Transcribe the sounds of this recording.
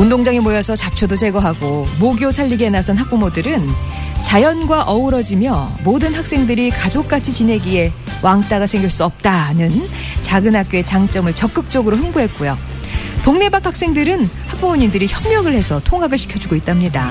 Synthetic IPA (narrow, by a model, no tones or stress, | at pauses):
undoŋd͡ʑaŋemojʌsʰʌt͡ɕap̚t͡ɕʰodot͡ɕe̞ɡʌɦaɡomoɡjosʰaʎːiɡenasʰʌnɦak̚p͈omodɯɾɯnt͡ɕajʌnɡwaʔʌuɾʌd͡ʑimjʌmodɯnhak̚s͈e̞ŋdɯɾikad͡ʑok̚k͈at͡ɕʰit͡ɕine̞ɡiɦe̞ | waŋt͈aɡasʰe̞ŋɡjiɭs͈uʌp̚t͈anɯn | t͡ɕaɡɯnɦak̚k͈joe̞t͡ɕaŋt͡ɕ͈ʌmɯɭt͡ɕʌk͈ɯk̚t͡ɕ͈ʌɡɯɾoɦɯmbuɦe̞t̚k͈ujo | toŋne̞bak̚ʰhak̚s͈e̞ŋdɯɾɯnhak̚p͈omoɲindɯɾiçjʌmɲjʌɡɯɭhe̞sʰʌtʰoŋɦaɡɯɭɕʰi̥kʰjʌd͡ʑuɡoit͈̚amɲida